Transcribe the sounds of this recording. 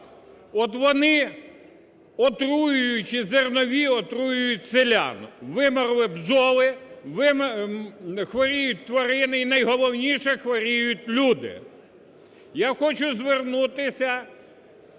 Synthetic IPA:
ɔt̪ʋɔnɪ | ɔt̪ɾujʊjʊt͡ʃɪzernɔʋʲiɔt̪ɾujʊjʊtʲselʲa̰nʊʋɪmɔrlˠɪbzɔʋˠɪʋɪm | xʋɔɾʲijʊt̚ʲt̪ʋɐɾɪnɪinɐjɦɔlˠɔwnʲiʃɛxʋɔɾʲijʊtʲlʲud̪ɪ̰ | jaxɔt͡ʃʊzʋernut̪ɪsʲɐ

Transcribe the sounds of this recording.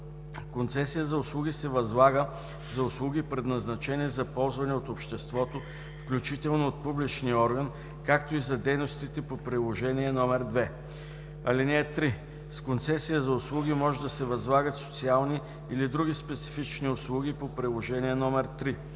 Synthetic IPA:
kont̪sɛsijəzɐʊslˠuɡʲisɛvɐzlˠaɡə | zɐʊslˠuɡipɾɛd̪nɐznɐt͡ʃɛnizɐpɔlˠzvɐnɛot̪opʃt̪ɛst̪vɔt̪o | fklʲut͡ʃit̪ɛlˠnoːt̪̚publit͡ʃniɔɾɡən | kakt̪oizɐd̪ɛjnost̪it̪ɛpopɾilˠoʒɛniɛnɔmɛɾd̪vɛ | ɐlinɛːt̪ɾi | skont̪sɛsijəzɐʊslˠuɡʲimɔʒɛd̪ɐsɛvɐzlˠaɡət̪so̥t̪sialˠniː | lid̪ɾuɡʲispɛt̪si̥fit͡ʃniʊslˠuɡipopɾilˠoʒɛniɛnɔmɛɾt̪ɾi

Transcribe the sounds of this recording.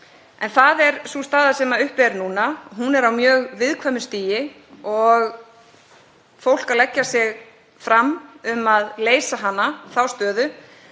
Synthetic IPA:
ɛnθaðɛɾ̥sust̪aːðasɛmaʏhpɛɾnuːnaɦunɛɾawmjœːɣvɪðkʰvœmʏst̪iːjɪ | ɔɣ | fowl̥kalɛcːasɪɣ | fɾamːʏmaðleːjsaɦanːaθawst̪œːðʏ

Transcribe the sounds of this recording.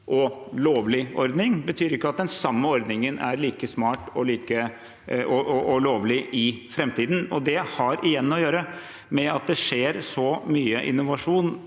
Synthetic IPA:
ʔɔloːʋlɪʔɔɾd̪nɪŋbət̪ʰyːɾɪkːəɑt̪̚d̪ɛnsɑmːəɔɾd̪nɪŋənʔæ̰ɾliːkəsmɑːʈɔliːkə | ɔʔɔʔɔloːʋlɪʔɪfɾɛmt̪iːd̪n̩ɔd̪ɛhɑɾʔɪjɛnːɔjøːɾə | mɛɑt̪̚d̪ɛʂeːɾsɔmyːəʔɪ̰nːʊʋɑʂuːn

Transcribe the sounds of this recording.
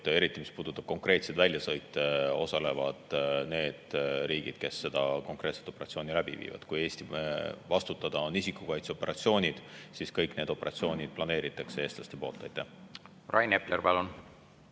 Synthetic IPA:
e̞ɾit̪ːˑimispuːd̪ut̪ˑːɑb̥̚ko̞ŋkre̞ːt̪sed̪̥vælʲjɑsɤjt̪ːˑe̞o̞̰sɑle̞vɑd̪̥ne̞ːd̪̥ɾiːɡ̥ḭd̪̥ke̞se̞d̪̥ɑko̞ŋkre̞ːt̪se̞t̪o̞peɾɑt̪sio̞ːnʲilæb̥ḭvḭːvɑ̰d̪̥kuje̞ːsʲt̪ivɑst̪ut̪ːˑɑd̪̥ɑo̞nisikːˑukɑjt̪seo̞pːe̞ɾʔɑt̪sio̞ːnʲid̪̥siskɤjkne̞ːd̪o̞pe̞ɾʔɑ̰t̪sio̞ːnʲid̪̥̚plɑne̞ːɾit̪ːˑɑkse̞e̞ːst̪lɑst̪e̞po̞ːlt̪ːɑjt̪ːæh | rʔɑjneplerpɑlun

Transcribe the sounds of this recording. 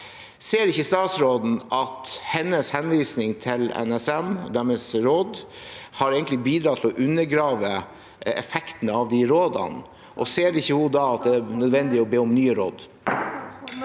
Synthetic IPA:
seːɾɪçːəst̪ɑːt̪sɾoːd̪n̩ʔɑt̪hɛnːəshɛnʋiːsnɪŋt̪ʰɪlɛ̰nɛsɛmɔ̰d̪æɾmɛsɾoːd̪ | hɑɾeːɡəlɪbiːd̪ɾɑt̪ʰɪlɔʔʉnːəɾɡɾɑːʋə | ɛ̰fɛkt̪ənəɑʋd̪ɪɾoːd̪ɑ̰n | ʔɔseːɾɪçːəhʊd̪ɑɑt̪̚d̪ɛænœd̪ʋɛnd̪ɪɔbeːʊmnyːəɾo̰ːd̪

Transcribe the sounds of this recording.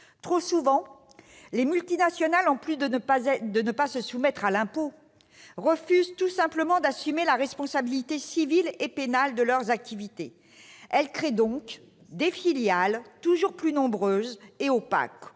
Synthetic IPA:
t̪χosuvɑ̃ | lemylt̪inasjɔnalɑ̃plyd̪əd̪ənəpasəsumɛt̪χalɛ̃po | ʁəfyzt̪usɛ̃pləmɑ̃d̪asymelaʁɛspɔ̃sabilit̪esivilepenald̪əlœʁzak̚t̪ʰivit̪e | ɛlkχed̪ɔ̃k | d̪efiljalt̪uʒuʁplynɔ̃bʁøzeopa̰k

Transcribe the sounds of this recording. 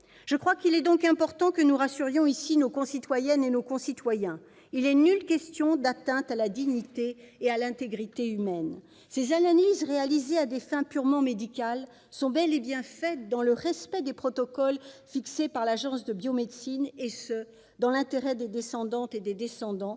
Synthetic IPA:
ʒ̥əkχwakilɛd̪ɔ̃kɛ̃pɔʁt̪ɑ̃kənuʁasyʁjɔ̃isinokɔ̃sit̪wajɛnenokɔ̃sit̪wajɛ̃ | ilɛnylkʲɛst̪jɔ̃d̪at̪ɛ̃t̪alad̪iɲit̪eː | alɛ̃t̪eɡʁit̪eymɛn | sezanalizʁealizead̪efɛ̃pyʁmɑ̃med̪ikʲal | sɔ̃bɛlebjɛ̃fɛt̪̚d̪ɑ̃ləʁɛspɛd̪epχɔt̪ɔkɔlfiksepaʁlaʒɑ̃sd̪əbjomed̪sinesə | d̪ɑ̃lɛ̃t̪eʁɛd̪ed̪esɑ̃d̪ɑ̃t̪ed̪ed̪esɑ̃d̪ɑ̃

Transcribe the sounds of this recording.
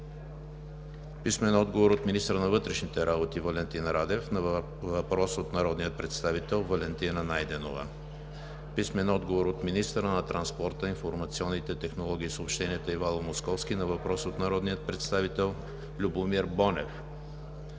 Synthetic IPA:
pismɛnɔd̪ɡovoɾot̪minist̪əɾənɐvɤt̪ɾɛʃnit̪ɛɾabot̪ivɐlɛnt̪inɾad̪ɛfnɐ | vɐpɾɔsot̪nɐɾɔd̪nijət̪̚pɾɛt̪st̪avit̪ɛlˠvɐlɛnt̪inənajd̪ɛnovə̰ | pismɛnɔd̪ɡovoɾot̪minist̪əɾənɐt̪ɾɐnspɔɾt̪əinfoɾmɐt̪siɔnːit̪ɛt̪ɛxnolˠɔɡ̟ʲiːsəopʃt̪ɛniɛt̪əivalˠomoskɔfskinɐvɐpɾɔsot̪nɐɾɔd̪nijət̪̚pɾɛt̪st̪avit̪ɛlˠ | lʲubomiɾbɔnɛf

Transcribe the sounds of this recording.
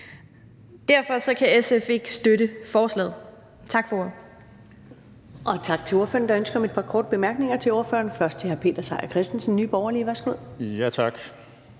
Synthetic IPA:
d̥æɐ̰fɒ̽sɒ̽kʰæesefeɡ̥sd̥øɾəfɒːslɛ̰ːð̩ˠ | t͡sʰɑ̈ɡ̥fɒ | ʔɒ̽t͡sʰɑ̈ɡ̥̚t͡sʰe̝lo̝ɐfø̰ɐn̩d̥ɑ̈ønsɡ̥ɐɒ̽me̝d̚pʰɑ̈kʰɒːd̥̚b̥e̝mæɐɡ̥ne̝ŋɐt͡sʰe̝lo̝ɐfø̰ɐnfɶɐsd̥t͡sʰe̝hæɐpʰe̝̰ːd̥ɐsɑ̈ɪɐkʰʁɛsd̥n̩sn̩nːy̰ːb̥ɒʊɐliʋæɐsɡ̥uð̰ˠjæt͡sʰɑɡ̥

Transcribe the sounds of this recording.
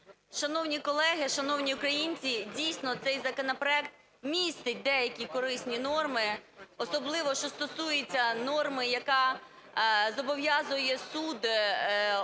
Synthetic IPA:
ʃɐnɔwnʲikɔlˠɛɦɪʃɐnɔwnʲiʊkɾɐjinʲt͡sʲidʲijsʲnɔt̪sɛjzɐkɔnɐpɾɔɛkt̪̚ | mʲist̪ɪt̚ʲd̪ɛjɐkʲikɔɾɪsʲnʲinɔrmɪɔsɔblˠɪʋɔʃt͡ʃɔst̪ɔsujɪt͡sʲːɐnɔrmɪjɐkɑ | zɔbɔʋjɑzʊjɛsud̪

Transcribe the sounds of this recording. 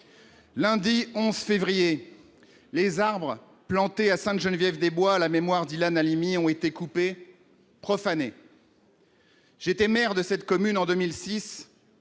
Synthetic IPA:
lɛ̃d̪iɔ̃zfevʁije | lezaʁbʁ | plɑ̃t̪easɛ̃t̪ʒənvjɛvd̪ebwalamemwaʁd̪ilanalimiɔ̃et̪ekupe | pχɔfane | ʒ̥et̪ɛmɛʁd̪əsɛt̪kɔmynɑ̃d̪əmilsis

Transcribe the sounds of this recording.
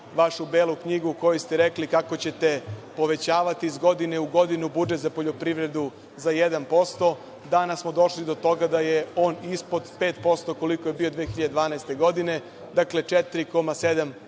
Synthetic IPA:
ʋaʃubeːlˠukɲiɡuko̞just̪eɾeklikako̞t͡ɕe̞t̪e̞po̞ʋe̞t͡ɕaːʋat̪iːzɡo̞d̪ine̞uɡo̞d̪inubud͡ʒet̪zapo̞ʎo̞pɾiʋɾe̞d̪u | zajed̪anpo̞st̪o̞ | d̪anasmo̞d̪o̞ʃlid̪ot̪o̞ɡad̪aje̞o̞ːnispo̞d̪pe̞ːt̪po̞st̪o̞ko̞liko̞je̞biːo̞d̪ʋeːxiʎad̪ed̪ʋaːnaest̪e̞ɡo̞d̪ine̞ | d̪akle̞t͡ʃet̪iɾiko̞mased̪am

